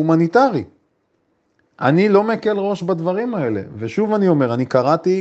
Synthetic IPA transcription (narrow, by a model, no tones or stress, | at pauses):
umanit̪aʁi | ʔanilo̞meke̞lʁo̞ʃbad̪vaʁimae̞le̞̰veʃuvanio̞me̞ʁanikaʁat̪i